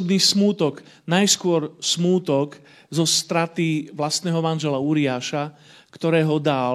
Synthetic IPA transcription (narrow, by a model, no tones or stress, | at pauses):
bniːsmuːt̪ɔɡ | najskʊɔɾsmuːt̪ɔk | zɔst̪ɾat̪iʋlast̪nɛːɦɔmanʒɛlauɾiaːʃa | kt̪ɔɾɛːɦɔd̪a